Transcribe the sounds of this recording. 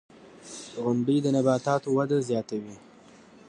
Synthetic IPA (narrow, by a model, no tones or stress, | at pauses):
ɣʊnɖijd̪ənabɑːt̪ɑt̪owad̪azjɑt̪awi